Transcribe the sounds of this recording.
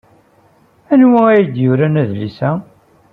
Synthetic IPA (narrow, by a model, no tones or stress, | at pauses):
ænwææjəd̪jʊɾænæðlisæ